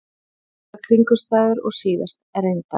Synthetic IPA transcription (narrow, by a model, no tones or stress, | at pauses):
kʰɾiŋkʏst̪aːðʏɾɔɣsiːðast̪ɛɾejnt̪a